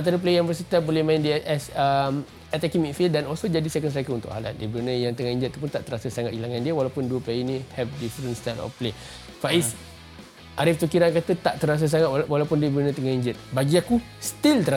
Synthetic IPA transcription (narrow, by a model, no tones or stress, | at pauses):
ãnt̪aɾəp̬lejãnbəsit̪abolɛhmãɪ̃ndiɛʔɛsəm | ɛt̪akimikfildanɔlsod͡ʒadisɛkənsakəunt̪ʊ̰ʔɦala̰t̪̚diəbəɾunəjaŋt̪əŋahiɲd͡ʒət̪̚ːp̬unt̪aʔt̪əɾasəsaŋat̚ɡilaŋandiəwalawpʊnduəpleinĩhɛvdifɾənst̪alɔ̰fple | faʔis | ʔaɾift̪ukiɾankat̪ət̪aʔt̪əɾas̬əs̬aŋat̪̚wwalawpʊndiəbəɾunət̪əŋahiɲd͡ʒət̪̚baɡiaku | st̪ilt̪əɾa